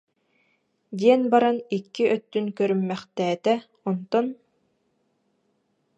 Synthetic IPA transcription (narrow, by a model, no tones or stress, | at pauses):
d̪iɛnbaɾanikːiʔœt̪ːynkœɾymːɛχt̪ɛːt̪ɛ | ɔnt̪ɔn